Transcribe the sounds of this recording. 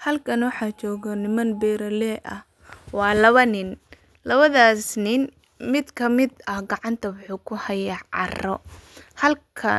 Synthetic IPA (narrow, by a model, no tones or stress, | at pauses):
hɐlkʰɐnwɑħɑːt͡ʃɔːɣɔnɪmɐnbɛːɾɐlɛːʔɐ̰h | wɑːlɐβɐnɪn | lɐβɐðaːsnɪn | mɪd̪kʰɐmɪd̪ɐhɡɑʕɑnt̪ʰɐwʊħuːkʰʊhɐjaʕɑ̰rɔhɐlkʰɐ